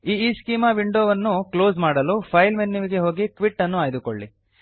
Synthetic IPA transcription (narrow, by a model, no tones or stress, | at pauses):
iːiːskiːmaːʋiɳɖoːʋɐnːuklo̞ːsmaːɽɐlupʰɐjlmenːiʋiɡe̞ɦo̞ːɡikʋiʈːɐnːuaːjd̪uko̰ɭːḭ